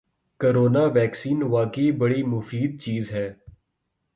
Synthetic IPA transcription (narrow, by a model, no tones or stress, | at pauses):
koːɾoːnaːʋɛːksiːnʋaːkeibəɽiːmʊfiːd̪̚t͡ʃiːzɦɛː